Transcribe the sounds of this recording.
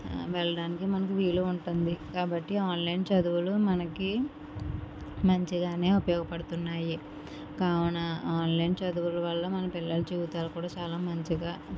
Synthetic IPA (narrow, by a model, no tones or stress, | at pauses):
ʋɛɭːɐɽaːnikimɐnɐk̬iʋiːluuɳʈund̪ikaːbɐʈːiaːnlɐjnt͡ʃɐd̪uʋulumɐnɐki | mɐɲt͡ʃiɡaːne̞ːupɐjɔːɡɐpɐɽut̪unːaːji | kaːwɐnɐaːnlɐjnt͡ʃɐd̪uʋulɐʋɐlːɐmɐnɐpilːɐlut͡ʃuːɡut̪aːlɐkuːɽaːt͡ʃaːlaːmɐɲt͡ʃiɡaː